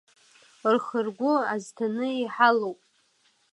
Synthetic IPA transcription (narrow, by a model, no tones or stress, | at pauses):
rχərɡʷʊaztʰanɨiħalowpʼ